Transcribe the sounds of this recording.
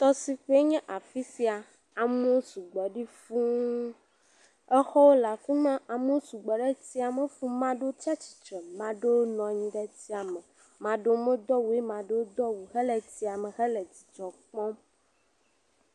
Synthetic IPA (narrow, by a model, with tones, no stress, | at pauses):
t̪ɔ˦si˨ɸe˦e˦ɲɛ̃˦ʔa˨fi˦si˦a˨ | a˨me˦o˦su˨ɡ͡bɔ˨ɖi˦fũ˦ | ɛ˦xɔ˦wo˦la˨fi˦mã˦a˨mo˦o˦su˨ɡ͡bɔ˨ɖɛ˦ti˦a˨mɛ̃˦fũ˦mã˦ɖe˦o˦t̪i˦a˦t͡ɕi̥˨t͡ʃɾɛ˨mã˨ɖe˦wo˦nɔ̃˨ɲĩ˦ɖɛ˦t̪i˦a˨mɛ̃˨ | mã˨ɖo˦mẽ˦d̪ɔ˦wu˨˦e˦mã˨ɖe˦wo˦d̪ɔ˦wu˨ɦe˦le˨t̪i˦a˨mɛ̃˨ɦɛ˦le˨d͡ʑi˨t͡ʃɔ˨k͡pɔ̃˦